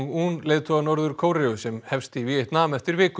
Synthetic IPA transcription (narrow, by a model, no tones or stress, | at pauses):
unleːjt̪ʰɔanɔɾðʏɾ̥kʰoːwɾɛʏsɛmhɛfst̪ivieht̪naːmɛft̪ɪɾvɪːk